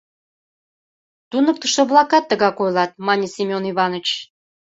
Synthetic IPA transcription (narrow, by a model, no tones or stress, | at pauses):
t̪unək̚t̪ə̆ʃt̪oβlˠɑkɑt̪ːəɣɑkojlɑt̪̚mɑnʲisʲimʲoniβɑnət͡ɕ